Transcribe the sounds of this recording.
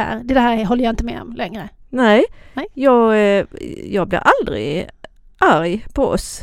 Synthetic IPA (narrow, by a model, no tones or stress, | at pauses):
æ̰ɾd̪ɛd̪hæːɾɦɔlːɾjɑɪnt̪əmɛ̰ːɔ̰mlɛŋɾənɛjɑːɡ | jɑːɡblɪ̰ɾʔald̪ɾɪ̰ɡ | ʔæɾjpʰɔɔ̰s